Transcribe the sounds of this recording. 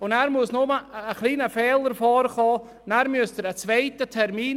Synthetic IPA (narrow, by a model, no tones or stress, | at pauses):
ʊnɛɾmuəsnʊməːχlˠiːnəfɛːlˠərfɔːɾəχɔː | nɛɾmyəstəɾət͡svejtətʰɛɾmiːn